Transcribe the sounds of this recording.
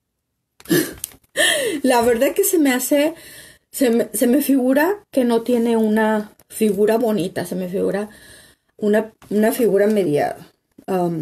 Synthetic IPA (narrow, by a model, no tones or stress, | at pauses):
laβe̞ɾðakese̞mease̞ | semese̞me̞fiɣuɾake̞no̞t̪je̞ne̞una | fiɣuɾaβo̞nit̪ase̞me̞fiɣuɾa | unaunafiɣuɾame̞ðja̰ða | am